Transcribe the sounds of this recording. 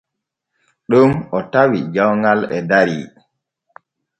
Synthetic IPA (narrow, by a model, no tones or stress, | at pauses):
ɗumɔtawid͡ʒawŋɡalɛdaɾḭ